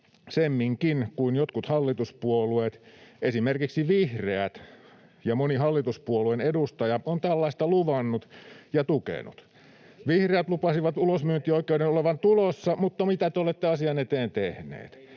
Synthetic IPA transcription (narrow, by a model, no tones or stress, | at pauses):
semːiŋkinkuinjot̪kut̪hɑlːit̪uspuolueˑt̪ʔesimerkiksiʋihreæt̪ | jɑmonihɑlːit̪uspuoluenedust̪ɑjɑont̪ælːɑist̪ɑluʋɑnːut̪jɑt̪ukḛnṵt̪ | ʋihreæt̪lupɑsiʋɑt̪ulosmyønt̪ˑiːoikːˑeuɾenoleʋɑnt̪ulosːɑmut̪ːɑmit̪æt̪eolet̪ːeɑsiɑnet̪eːnt̪ehnḛːt̪